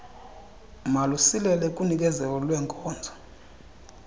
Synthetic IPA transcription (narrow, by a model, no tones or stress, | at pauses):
malusilɛlɛk̬ʼunik̬ɛzɛk̬ɔlwɛːŋkʼɔːnd͡zʱɔ̥